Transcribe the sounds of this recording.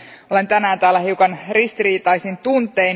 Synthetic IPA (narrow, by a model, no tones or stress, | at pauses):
o̞le̞nt̪ænæːnt̪æːlːæhiukɑnrist̪iriːt̪ɑisint̪unt̪ˑein